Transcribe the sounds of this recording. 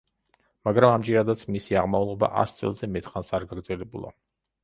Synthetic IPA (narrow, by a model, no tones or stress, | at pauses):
maɡɾamamd͡ʒɛɾad̪at̪sʰmisiaʁmaulˠɔba̰ʔa̰st̪sʼɛ̰lˠzɛmɛt̪ʰχansaɾɡaɡɾd̪zɛlɛbṵlˠa̰